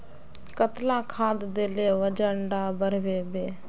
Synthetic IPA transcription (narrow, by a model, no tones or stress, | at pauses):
kət̪lãːkʰãːd̪d̪eːleːʋəd͡ʒəɳɖaːbəɾʋeːbeː